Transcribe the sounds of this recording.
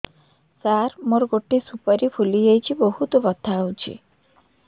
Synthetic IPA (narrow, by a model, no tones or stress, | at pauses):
saɾmoɾɡoʈːisupɔɾipʰulijejt͡ʃʰibɔhut̪ɔbɔt̪ʰːawt͡ʃʰḭ